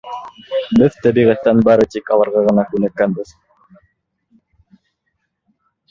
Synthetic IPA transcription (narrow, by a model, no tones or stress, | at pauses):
bɘðt̪æbiʁæt̪ːænbɑɾɤt̪ikɑlˠɑɾʁɑʁɤ̆nɑkʉnækːænbɘð